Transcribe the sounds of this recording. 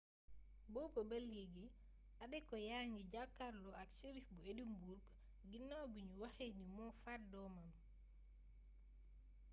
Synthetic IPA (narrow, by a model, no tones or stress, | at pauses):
bɔːbɔbɛljiɡi | ʔaɗɛkɔjaŋɡid͡ʒakːaɾlɔaksiɾifbuedimbuɾk | ɡinːawbuɲuwaxenimɔːfat̚dɔːmam